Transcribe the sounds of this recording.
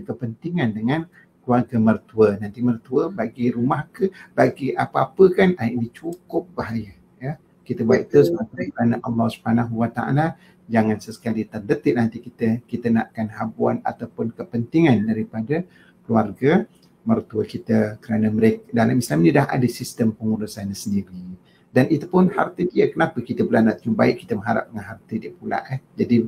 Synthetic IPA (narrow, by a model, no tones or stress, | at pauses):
kəpənt̪iŋandəŋan | kluarɡamərt̪uənant̪imərt̪uəbaɡiɾumahkəb̥aɡiʔa̰pəapəkanaiʔnit͡ʃukʊp̚baɦaja | jə | kit̪əbua̰it̪usəmaɾakəɾanaʔɑlːɔhsu̥bhanaɦuwat̪a̰a̰la | d͡ʒaŋansəsə̥kalit̪ərdət̪ɪʔ̚nant̪ikit̪əkit̪əna̰ʔkanhabuana̰t̪awpʊnkəpənt̪iŋandaɾipadə | kluarɡa | mərt̪uəkit̪əkəɾanaməɾekdalamislamnilaɦa̰dəsist̪əmpəŋuɾusanasəndiɾi | danʔit̪upʊnha̰rt̪ədiəkənapəkit̪əbəlahnaʔt̪əɲubaɪʔkːit̪əmə̃ɦaɾa̰p̚dəŋanɦart̪ədiəpula̰ʔɛhd͡ʒadi